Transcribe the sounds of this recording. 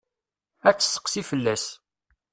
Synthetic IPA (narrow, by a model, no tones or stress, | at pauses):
æt͡sːə̥sːə̥qsifəlːæs